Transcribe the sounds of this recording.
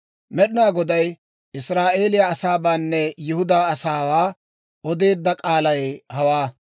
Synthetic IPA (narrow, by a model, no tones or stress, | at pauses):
mɛɗɪnaːɡɔd̪ɐj | ɪsɾaːʔe̞ːlɪjɐɐsaːbaːnːɛjɪhʊd̪aːɐsaːwaː | ɔd̪e̞ːd̪ːɐkʼaːlɐjɛhɐwaː